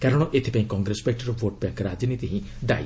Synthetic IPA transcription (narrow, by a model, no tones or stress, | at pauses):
kaɾɔɽ̃ɔʔet̪ʰi̥pãĩkɔŋɡɾespek̚ʈɔɾɔʋoʈ̚bãŋkɾad͡ʒinit̪iɦĩ | d̪a̰j